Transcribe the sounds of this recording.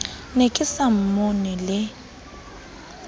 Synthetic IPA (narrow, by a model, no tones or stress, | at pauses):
nekʼɪsam̩monɪlɪ